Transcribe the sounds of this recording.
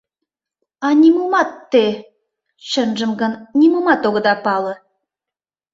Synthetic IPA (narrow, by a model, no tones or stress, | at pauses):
ɑnʲimumɑt̪ːe | ɕə̆nʒə̆mɡə̆nnʲimumɑt̪oɣɤ̆d̪ɑpɑlɤ̆